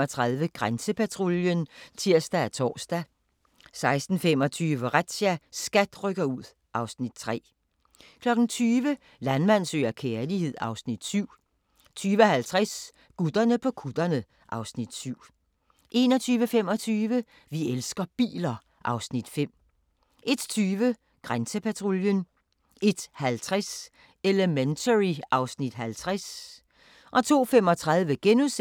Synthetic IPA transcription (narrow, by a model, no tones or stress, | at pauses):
ɒt͡sʰʁɑðˠʋəɡ̥ʁansəpʰæt͡sʰʁoljənt͡sʰiɐ̰sd̥ææt͡sʰɒ̰ːsd̥æ | sɑ̈ɪsd̥n̩fem̰ɒ̽t͡sʰyːʋəʁad̥ɕæsɡ̥æd̥ʁœɡ̥ɐuð̞̰ˠ | ʔɑ̈ʊsnid̥̚t͡sʰʁɛ̰ː | kʰlɒ̽ɡ̥n̩t͡sʰyːʋə | lænmæn̰sø̰ːɐkʰeɐlihe̝ð̞̰ˠɑ̈ʊsnid̥syʊ̰ | t͡sʰyːʋəhælt͡sʰʁas | ɡ̥ud̥ɐnəpʰɒ̽kʰud̥ɐnə | ʔɑ̈ʊsnid̥syʊ̰ | ʔe̝nɒ̽t͡sʰyːʋəfem̰ɒ̽t͡sʰyːʋə | ʋielsɡ̥ɐb̥ḭːlɐ | ʔɑ̈ʊsnid̥fem̰ | ʔe̝d̥t͡sʰyːʋə | ɡ̥ʁansəpʰæt͡sʰʁoljən | e̝d̥hælt͡sʰʁas | eləment͡sʰəʁiɑ̈ʊsnid̥ɦælt͡sʰʁas | ʔɒ̽t͡sʰo̝̰ːfem̰ɒ̽t͡sʰʁɑ̈ðˠʋəɡ̥enus